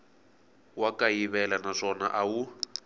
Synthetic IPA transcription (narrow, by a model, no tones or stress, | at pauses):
wakaiβɛlanaʂɔna̰ʔawu